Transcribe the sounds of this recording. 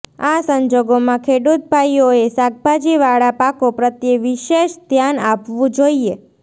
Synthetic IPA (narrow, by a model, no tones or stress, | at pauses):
asəɲd͡ʒoɡomãkʰeɽut̪̚bʱajoesaɡ̚bʱad͡ʒiʋaɽapakopɾət̪jeʋiʃeʃd̪ʱjanapʋũd͡ʒoie